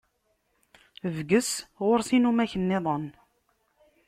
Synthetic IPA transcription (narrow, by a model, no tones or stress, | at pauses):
vɡəsʁoɾsinumæçənːeðˤən